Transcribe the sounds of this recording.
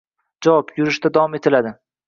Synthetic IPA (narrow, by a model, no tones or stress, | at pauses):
d͡ʒawɒpjʊɾɪʃt̪ad̪avɒmet̪ʰɪlad̪ɪ